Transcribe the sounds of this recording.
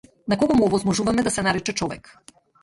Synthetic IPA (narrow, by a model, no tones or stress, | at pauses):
nakɔɡɔmuɔvɔzmɔʒuvamɛd̪asɛnaɾɛt͡ʃɛt͡ʃɔvɛ̰k